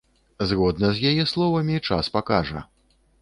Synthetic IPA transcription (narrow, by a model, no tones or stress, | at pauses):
zɣɔd̪̚nɐzʲjajɛslˠɔvɐmʲit͡ʂaspakaʐɐ̰